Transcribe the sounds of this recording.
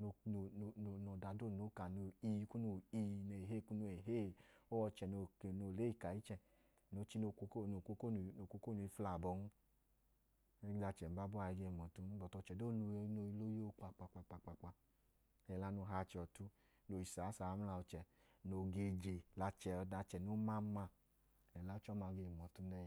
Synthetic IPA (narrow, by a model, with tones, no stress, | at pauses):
no˧no˨˧˨o˨no˨da˨do˦˨no˨˦ka˨no˧˨i˧˦ku˦no˨i˧˨n˨e˨ɦe˦˨ku˦no˧˨e˨ɦe˦o˦ɔ˧t͡ʃɛ˨no˧˨no˧˨le˦i˧˨ka˨i˦t͡ʃɛ˧˨ | no˨˦t͡ʃi˦no˧ko˧ko˦no˨ko˧ko˦˧˨no˨kʷo˦ko˦˨nu˧i˧fla˨bɔ˧˦nu˦ | da˧t͡ʃɛ˨m˨˦ba˦bɔ˦a˧˨i˧ɡe˧˨mɔ˨tu˦n˦bɔ˨tɔ˧t͡ʃɛ˨do˦nu˧˦no˧i˧lo˦jo˦k͡pa˧k͡pa˧k͡pa˧˨k͡pa˧˨k͡pa˧k͡pa˧ | ɛ˨la˦no˧˦ɦa˧˨t͡ʃɛ˧ɔ˧tu˦ | no˨i˨sa˨˦sa˨˦m̩˦la˧ɔ˧t͡ʃɛ˨ | no˧ɡe˧d͡ʒe˨la˨˧t͡ʃɛ˨ɔ˧da˧t͡ʃɛ˨no˨˦ma˦ma˧ | ɛ˨la˨˦t͡ʃɔ˦ma˧ɡe˧˨mɔ˨tu˧nɛ˦˨